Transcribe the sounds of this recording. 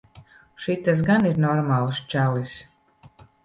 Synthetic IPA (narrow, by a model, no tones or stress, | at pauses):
ʃit̪ːasɡaniɾnɔɾmaːlˠst͡ʃælis